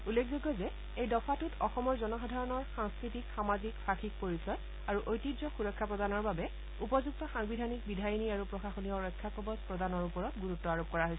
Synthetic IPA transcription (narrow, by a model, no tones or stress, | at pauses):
ulːekʰzoɡːɔzɛ | ejdɔpʰatutʰɔxɔmɔɹzɔnɔxɔdʱaɹɔnɔɹxaŋskɹitikxamazikfʰaxik̚poɹisɔj | aɹuʔojtidɹɔxuɹɔkʰːapɹɔdanɔɹbabɛ | upɔzuɡ̚tɔxaŋbidʱanik̚bidʱajniaɹupɹɔxaxoniɔɹɔjkʰːakɔbɔspɹɔdanɔɹupɔɹɔtɡuɹutːɔaɹop̚kɔɹaɦojsɛ